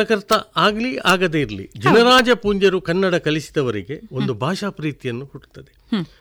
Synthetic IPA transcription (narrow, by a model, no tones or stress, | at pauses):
ɐkɐɾt̪ɐaːɡliaːɡɐd̪eiɾɐlḭd͡ʒɐnɐɾaːd͡ʒɐpuːɲd͡ʒɐɾukɐnːɐɽɐkɐlisi̥d̪ɐʋɐɾiɡe̞o̞nd̪ubʱaːʃaːpɾiːt̪ijɐnːuhuʈt̪ːɐd̪e